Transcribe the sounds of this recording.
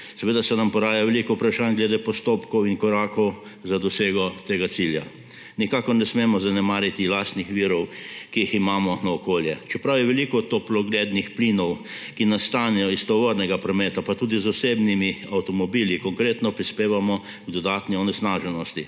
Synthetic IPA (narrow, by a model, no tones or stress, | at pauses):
sɛʋeːd̪asɛnampɔɾaːjaʋɛlikɔupɾaʃanɡlɛd̪epɔst̪oːpkɔwiŋkɔɾaːkɔw | zad̪ɔseːɡɔt̪eːɡat̪silja̰ | nikakɔɾnɛsmemɔzanɛmaːɾit̪ilaːst̪nixʋiːɾɔwkijiximaːmɔnaɔkoːljɛt͡ʃɛpɾawjɛʋɛlikɔt̪ːoplɔɡled̪nixplinɔw | kinast̪aːnɛjɔist̪ɔʋɔɾnɛɡapɾɔmeːt̪apat̪ud̪izɔsebnimiawt̪ɔmɔbilikɔŋkɾeːt̪nɔpɾispeːʋamɔ | ɡd̪ɔd̪at̪niɔnɛsnaːʒɛnɔst̪i